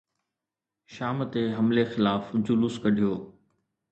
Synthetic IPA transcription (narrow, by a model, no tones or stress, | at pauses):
ʃaːmt̪eɦɐmlexɪlaːfd͡ʑʊlʊskɐɖʱijoː